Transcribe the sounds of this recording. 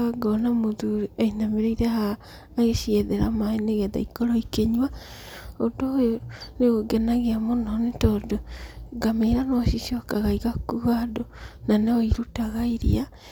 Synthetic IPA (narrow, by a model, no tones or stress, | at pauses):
aɡɔnamoðuɾiɛinameɾeiɾehaː | ɣeʃiɛðeɾa̰maeneɣɛða̰ikoɾɔikeɲwa | odojoneɣoɡɛnaɣeamonɔnetɔdoɡameɾanɔʃiʃiɔkaɣaiɣakuɣadonaneɔiɾutaɣaiɾḭa